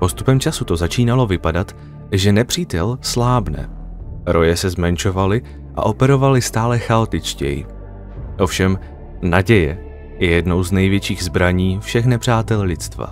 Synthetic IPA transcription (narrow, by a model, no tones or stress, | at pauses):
po̞st̪u̥pɛmt͡ʃasut̪o̞zat͡ʃiːnalo̞vɪpadat̪ | ʒɛnɛpr̥iːt̪ɛlslaːbnɛ̰ | ɾo̞jɛsɛzmɛnt͡ʃo̞valɪ | ʔa̰ʔo̞pɛɾo̞valɪst̪aːlɛxaot̪ɪt͡ʃcɛ̰jɪ̰ | ʔo̞fʃɛm | naɟɛjɛ | jɛjɛdno̞wznɛjvjɛt͡ʃiːɣzbɾaɲiːfʃɛxnɛpr̝̥aːt̪ɛllɪt͡st̪va̰